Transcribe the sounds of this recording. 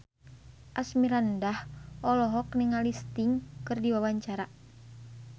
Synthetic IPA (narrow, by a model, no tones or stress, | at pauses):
ʔasmiɾandahʔɔlɔɦɔkniŋalist̪iŋkɨrdiwawaɲt͡ʃaɾa